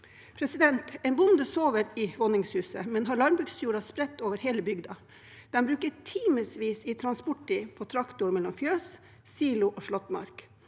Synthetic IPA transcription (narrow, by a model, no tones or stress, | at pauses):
pʰɾɛsɪd̪ɛnt̪ɛɪnbʊnd̪əsoːʋəɾɪʋɔnɪŋshʉːsə̰mɛnɦɑɭɑɾbʉːɡsjuːɾɑspɾɛt̪ːoːʋəɾɦeːləbʏɡd̪ɑ | d̪̥ɛnbɾʉːkəʈʰiːməsʋiːsɪt̪ʰɾɑnspʊʈːɪpʰɔt̪ʰɾɑkt̪ʊɾmɛlːɔmfjøːs | siːlʊʔoːʂɭɔt̪mɑ̰ɾk